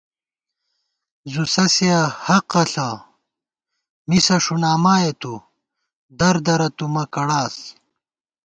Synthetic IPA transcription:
zusɐsiɐhɐqɐɬɐ | misɐʂunaːmaːjɐt̪u | d̪ɐɾd̪ɐɾɐt̪umɐkɐɽaːs

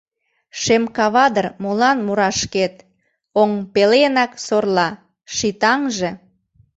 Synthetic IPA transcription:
ʃemkɑβɑd̪ərmolɑnmuɾɑʃket̪ | oŋpelenɑksorlɑ | ʃit̪ɑŋʒe

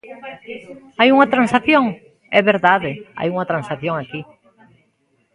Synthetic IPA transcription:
ajuŋɐt̪ɾãnsaθjoŋ | ɛβeɾðaðɪa̰juŋɐt̪ɾãnsaθjoŋaki

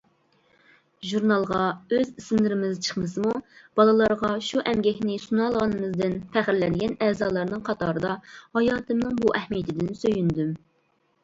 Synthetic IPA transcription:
ʒuɾnɑlˠʁɑøzisɪmlɪɾɪmɪzt͡ʃʰə̥χmɨsɨmub̥ɑlˠɨlˠɑɾʁɑʃuʔɛmɡʲɛkʲnɪsunɑlˠʁɑnɨmɨzd̪ɪnpʰæχɾlɛnɡʲɛnɛːzɑːlˠɑɾnɨŋqʰɑt̪ʰɑːɾɨd̪ɑhɑjɑːt̪ʰɨmnɨŋbuʔɛhmijɪt̪ʰɪd̪ɪnsøjynd̪ym

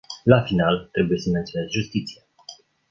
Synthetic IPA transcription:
lafinalt̪ɾe̞buje̞səme̞nt̪sione̞zʒust̪it̪sija

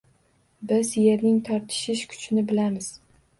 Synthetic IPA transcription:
bɪzje̞ɾnɪŋt̪ʰɒɾt̪ʰɪ̥ʃɪʃkʰʊ̥t͡ʃnɪbɪlamɪz̥

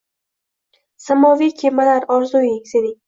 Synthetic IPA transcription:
samɒvikʲʰemalaɾɒɾzujɪŋsed̪ɪŋ

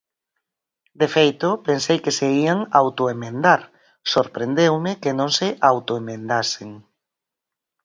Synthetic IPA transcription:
d̪efejt̪ʊpensejkeseiaŋawt̪oemẽnd̪aɾ | soɾpɾend̪ewmɪkenõŋsɪʔawt̪oemẽnd̪aseŋ

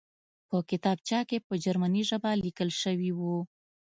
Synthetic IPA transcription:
pəkɪt̪ɑb̚t͡ʃɑkepəd͡ʒaɾmaniʒabalikəlʃəwiwu

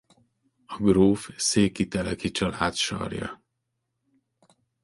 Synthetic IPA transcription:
ɒɡroːfseːkit̪ɛlɛkit͡ʃɒlaːt̪ʃɒ̰rjɒ̰

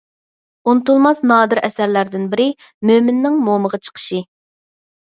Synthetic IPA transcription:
unɨt̪ulˠmɑsnɑːd̪ɨɾɛsæɾlæɾd̪ɪnbɪɾɪ | mømɪnːɪŋmoməʁɑt͡ʃʰə̥qʰə̥ʃɨ

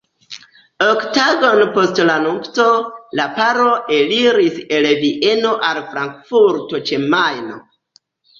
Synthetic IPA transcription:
oktaɡo̞npo̞stlanupto̞lapaɾo̞ʔe̞liɾise̞lviʔe̞no̞ʔalfɾaŋkfuɾto̞t͡ʃemajno

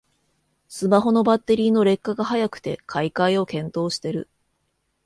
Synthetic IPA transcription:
sɨmaɦo̞no̞bat̪ːe̞ɾʲiːno̞ɾe̞kːaɡaɦajakɯ̟̥t̪e̞kʰaikaio̞kẽ̞nt̪o̞ːɕi̥t̪e̞ɾɯ̟

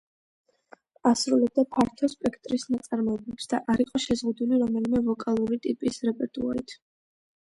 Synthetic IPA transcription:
asɾulɛb̚d̪apʰaɾt̪ʰɔspʼɛkʰt̪ʼɾisnat̪sʼaɾmɔɛblɛpsd̪aʔaɾiqʼɔʃɛzʁud̪uliɾɔmɛlimɛvɔkʼalˠuɾit̪ʼipʼisɾɛpʼɛɾt̪ʼua̰ɾit̪ʰ

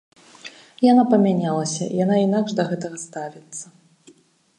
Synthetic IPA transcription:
janapɐmʲanʲalˠɐsʲɐ̰janainaɡʐd̪ɐɣɛt̪ɐɣɐst̪avʲit̪sːɐ

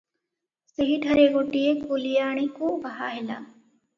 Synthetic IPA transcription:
seɦiʈɐɾeːɡʊʈieːkolijaːɳ̃ikũːbaɦa̰ːɦɪla̰ː

